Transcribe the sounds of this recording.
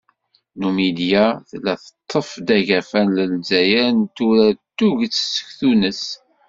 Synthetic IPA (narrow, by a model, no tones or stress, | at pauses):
numid̪jaθəlːæθə̥t̪ˤʰːəfd̪æʝæfænləlzæjænt̪uɾæt̪ːuʝt͡sːsə̥çθunəs